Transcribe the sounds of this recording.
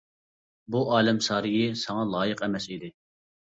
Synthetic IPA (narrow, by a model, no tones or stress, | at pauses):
buʔɑːlɛmsɑːɾɨjɪsɑŋɑlˠɑːjəqɛmɛsid̪ɪ